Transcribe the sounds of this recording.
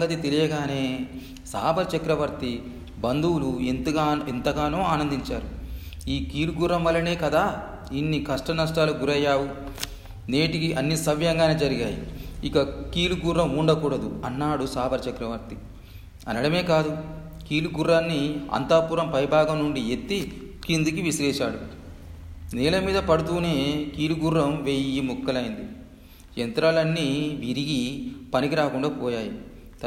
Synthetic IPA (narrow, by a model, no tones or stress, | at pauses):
ɐŋɡɐt̪it̪elijɐɡaːne̞ː | saːbɐɾt͡ʃɐkɾɐʋɐɾt̪i | bɐnd̪uwluent̪ɡaːent̪ɐɡaːnoːaːnɐnd̪iɲt͡ʃaːɾu | iːkiːluɡuɾːɐmʋɐlːɐne̞ːkɐd̪aː | inːikɐʂʈɐnɐʂʈaːluɡuɾɐjːaːwu | neːʈikiʔɐnːisɐʋjɐŋɡaːneːd͡ʒɐɾiɡaːjḭikɐkiːluɡurːɐmuɳɖɐkuːɽɐd̪uɐnːaːɽusaːbɐɾt͡ʃɐkɾɐʋɐɾt̪i | ɐ̰nɐɽɐme̞ːkaːd̪u | kiːluɡuɾːaːnːiɐ̰nt̪aːpuːɾɐmpɐɾibʱaːɡɐmnuɳɖiet̪ːi | kind̪ukiʋisɾɛːʃaːɽu | nɛːlɐmiːd̪ɐpɐɽut̪uːne̞ːkiːluɡurːɐmʋeːjiimukːɐlɐjind̪i | ent̪ɾalɐnːiʋiɾiɡipɐnikiɾaːkuɳɖaːpɔːjaːji | t̪